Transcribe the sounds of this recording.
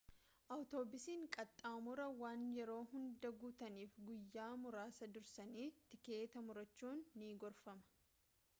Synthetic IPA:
ʔɐwt̪o̞ːbɪsiːŋkʼɐt̪ʼːaːmʊɾɐwaːnjɛɾo̞ːɦʊnd̪ɐɡuːt̪ɐniːfɡʊjːaːmʊɾaːsɐd̪ʊɾsɐniːt̪ɪke̞ːt̪ɐmʊɾɐt͡ʃːuːnːiːɡɔɾfɐmɐ̥

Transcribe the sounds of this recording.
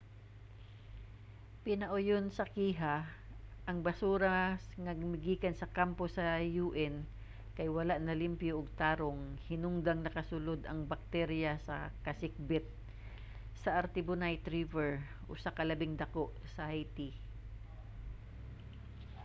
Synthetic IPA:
pɪnɐʔʊjonsɐkiːɦa | ʔɐŋbɐsuːɾɐŋɐɡɪmɪɡiːkɐnsɐkamposɐjuːʔɛn | kɐjwɐlaʔnɐlɪmpjoʔːɡ̚t̪aːɾoŋhɪnʊŋd̪aŋnɐkɐsʊlod̪ɐŋbɐk̚t̪ɛɾjasɐ̰kɐsɪk̚bɪt̪̚ | sɐʔɐɾt̪ɪbʊnajt̪ɾivɛɹ | ʔosɐkɐlɐbɪŋd̪ɐkoʔsɐʔajt̪i

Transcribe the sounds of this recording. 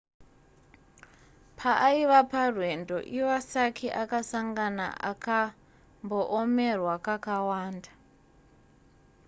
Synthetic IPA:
pʰaʔaiʋaparwe̞ndo̞̰ʔiasakʰiʔakasaŋɡana̰ʔa̰ka | mboʔomerwakakawaːnda

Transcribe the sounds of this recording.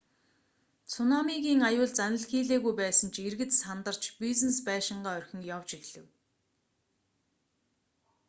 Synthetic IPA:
t͡sʰʊnɔmiɣiːŋajʊːɮt͡sanə̆ɮxiːɮeːɣujpæːsə̆nt͡ɕʰerɣɘ̆t̪sant̪ə̆r̥t͡ɕpiznespæːʃɪ̆ɴɢaːœrxʲɪ̆ŋjawt͡ɕiɣɮ̥ɘ̆w

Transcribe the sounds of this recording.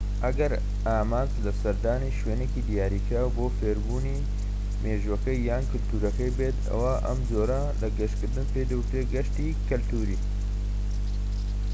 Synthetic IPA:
ʔɐɡɐɾ | aːmaːnzlɐsɐɾd̪aːniːʃweːneːkiːd̪ijaːɾiːkaːwboːfeːɾbuːniː | meːʒwɐkɐjːaːnkɨlt̪uːɾɐkɐjbet̪ʰɐ̰waʔɐ̰mzoːɾɐ | lɐɡɐʃkɨɾd̪ɨnped̪ɐwʊt̪ɾeɡɐʃt̪iːkɨlt̪uːɾiː

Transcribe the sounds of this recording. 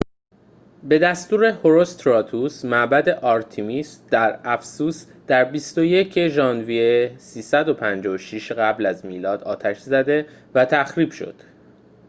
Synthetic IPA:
be̞d̪æst̪uːɾe̞ho̞ɾo̞st̪ʰɾɒːt̪ʰusmæʔbæd̪e̞ʔɒːɾt̪ʰimiːsd̪̥æɾæfsuːs | d̪̥æɾbist̪o̞je̞cʰeʒɒːnviesiːsæd̪o̞pʰænd͡ʒɒoʃiʃɢæblæzmiːlɒːd̪ɒːt̪ʰæʃzæd̪e̞ | væt̪ʰæxɾiːb̥ʃo̞̰d̪̥

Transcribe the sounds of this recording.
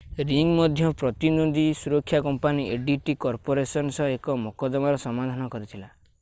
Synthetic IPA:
ɾiŋmɔd̪ʱjɔpɾɔt̪inod̪isuɾɔkʰːjakɔmpanieɖiʈikɔɾpɔɾesɔnsɔekɔmɔkɔd̪ɔmaɾɔsɔmad̪ʱanɔkɔɾit̪ʰila

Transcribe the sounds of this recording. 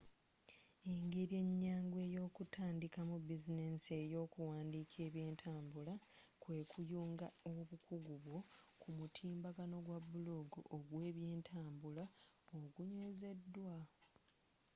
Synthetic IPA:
eŋɡeɾje̞ɲːaːŋɡwe̞ːjo̞ːkutʰaːndikamubizine̞se̞jo̞ːkuwaːndicʰe̞ːβje̞ːntʰaːmbulakwe̞ːkʰujuːŋɡaoβukʰuɡuβwo̞kumutʰiːmbaɡano̞ɡwabːuloɡṵʔoɡwe̞ːβje̞ːntʰaːmbulaβoɡuɲeːze̞dːwa

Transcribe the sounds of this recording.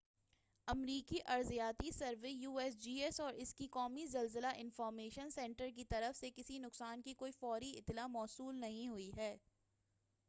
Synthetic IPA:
ɐmɾiːkiʔɐɾzijaːt̪isɐɾʋejuːɛsd͡ʒiːɛsɔːɾɪskikɔːmizɐlzəlaʔɪ̃nfɔːɾmeːʃənsɛ̃ɳʈəɾk̬it̪ɐɾəfsekɪsinʊksaːnkikoːifɔːɾiɪt̪ːlamɔːsuːlnɐɦĩɦʊiɦɛː

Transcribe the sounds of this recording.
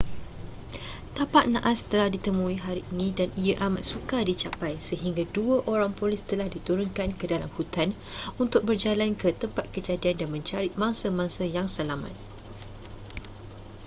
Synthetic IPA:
t̪apaʔ̪̚nã̰ʔast̪əlahdit̪əmũiɦaɾiʔːnĩdaniaʔamat̪̚sukadit͡ʃapajsəɦiŋɡaduəʔoɾaŋpolɪst̪əlahdit̪uɾʊnkankədala̰mhut̪anunt̪ʊk̚bərd͡ʒalankət̪əmpat̪̚kəd͡ʒadiandanmə̃ɲt͡ʃaɾit̪̚mãŋsamãŋsajaŋsəlama̰t̪̚

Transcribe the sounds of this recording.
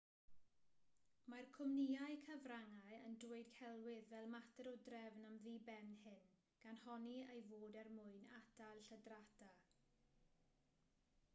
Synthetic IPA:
markʰʊmniaɨkʰəvraŋaɨəndʊɨd̥kʰɛlˠwɪðvɛlˠmatʰɛɾɔdrɛvnamviːbɛnhɪn | ɡ̥anhɔniejvoːdɛrmʊɨnadalˠɬədratʰa

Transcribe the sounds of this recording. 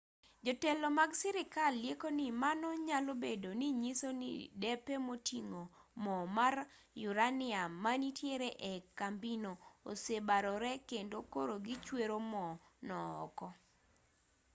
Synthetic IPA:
d͡ʒɔtɛlɔmaɡsɛɾɪkalːjekonimanɔɲalobedoniɲisonḭdɛpemotiŋo | mɔmar | juɾanɪamanitjeɾeʔekambinoo̰sebaɾɔɾɛkendokoɾoɡit͡ʃweɾomɔnɔɔ̰kɔ

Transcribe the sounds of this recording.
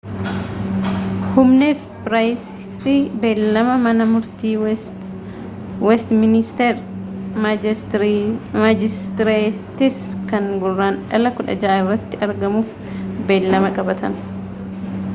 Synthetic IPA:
hʊmneːfpɾaːjs | siːbe̞ːlːɐmɐmɐnɐmʊɾt̪iː | wɛst̪mɪnɪst̪eːɾ | mad͡ʒɪst̪ɪɾeːt̪ɪskɐŋɡʊrːaːnᶑɐlɐkʊᶑɐ̰d͡ʒaaːɪrːɐt̪ːɪɐɾɡɐmuːf | be̞ːlːɐmɐkʼɐbɐt̪ʰɐn

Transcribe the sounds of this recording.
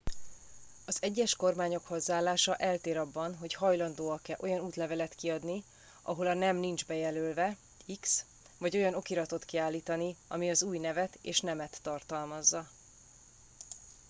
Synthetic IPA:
ɒzɛɟːɛʃko̞rmaːɲo̞khozːaːlːaːʃɒʔɛlt̪eːɾɒbːɒnɦo̞chɒjlɒnd̪oːɒkːɛlʔo̞jɒnuːt̪lɛvɛlɛt̪kiɒd̪ni | ʔɒ̰ɦo̞lɒnɛmnind͡ʒbɛjɛløːlvɛ | iks | vɒɟo̞jɒno̞kiɾɒt̪o̞t̪kiaːlːiːt̪ɒniɒ̰miɒzuːjnɛvɛt̪eːʃnɛmɛt̪ːɒrt̪ɒlmɒzːɒ

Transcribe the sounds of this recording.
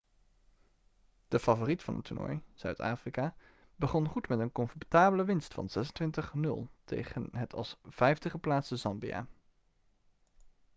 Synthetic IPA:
d̥əfavoritfɑ̰nə̰tunɔ̰jz̥œ̰ɥta̰ːfrika | bəχɔnχutmɛtənkɔnfɔtaːbələʋɪnstfɑ̰nzɛsəntʋɪntəχnɵ̰lˠtʰḛjχənɦətʰɑ̰lˠsv̥ɛjftəχəplaːtsəzɑmbija̰ː

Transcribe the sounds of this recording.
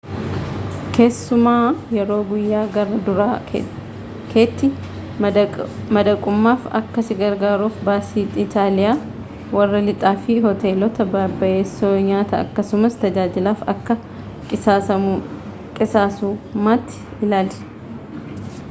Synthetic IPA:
ke̞ːsːʊmaːjɛɾo̞ːɡʊjːaːɡɐrːɐd̪ʊɾaːkɛ̰ | kʰeːt̪ːɪ | mɐd̪ɐkʼʊmːaːfɐ̰kːɐsɪɡɐɾɡaːɾuːfbaːsiːt̪ʼɪt̪aːlɪjaː | wɐrːɐlɪt̪ʼaːfɪɦɔt̪e̞ːlɔt̪ɐbaːbɐʔe̞ːsːoːɲaːt̪ɐɐ̰kːɐsʊmɐst̪ɐd͡ʒaːd͡ʒɪlaːfɐ̰kːɐ | ɐ | kʼɪsaːsuːmaːt̪ːɪ̥ | ɪlaːlsɛ̥

